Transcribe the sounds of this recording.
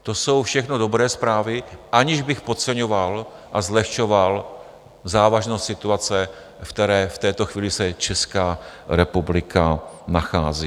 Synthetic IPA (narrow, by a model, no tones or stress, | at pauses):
t̪o̞so̞wfʃɛxnodo̞bɾɛːspɾaːvɪʔaɲɪʒbɪxpot̪t͡sɛɲoval | ʔazlɛxʃoval | zaːvaʒnost̪sɪt̪uat͡sɛ | fkt̪ɛɾɛːft̪ɛːt̪oxviːlɪsɛt͡ʃɛskaːɾɛpublɪkʰanaxaːziː